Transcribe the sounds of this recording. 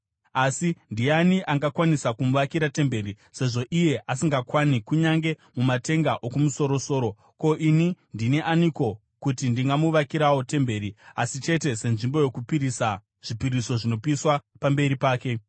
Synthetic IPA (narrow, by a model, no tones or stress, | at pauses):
asindijaniʔaŋɡakwanisakumuʋakiɾate̞mbe̞ɾi | se̞ʐo̞ʔije̞ʔasiŋɡakwanikuɲaŋɡe̞mumate̞ŋɡaʔokumuso̞ɾo̞so̞ːɾo̞ | ko̞ʔinindineʔaniko̞ | kutindiŋɡamuʋakiɾawo̞te̞mbe̞ːɾiasit͡ʃe̞te̞se̞nʐimbo̞jo̞kupiɾisa | ʐ̥ipiɾiso̞ʐino̞piswapambe̞ɾipaːke̞